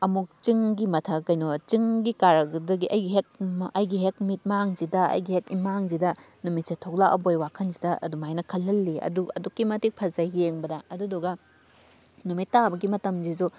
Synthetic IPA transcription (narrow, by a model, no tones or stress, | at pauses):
ɐmuk̚t͡ʃiŋɡimɐtʰɐkɐjnot͡ʃiŋɡikaɾɐɡdɐɡiʔɐjɡiɦek̚ɐjɡiɦek̚mit̚maŋzidɐɐ̰jɡihekimaŋzidɐ | numit̚sɐtʰoklaʔɐ̰bojwakʰɐnzidɐʔɐ̰dumajnɐkʰɐlːɐlːiɐ̰duɐ̰dukːimɐtik̚pʰɐzɐjeŋbɐdɐɐduduɡɐ | numitːabɐɡimɐtɐmzizu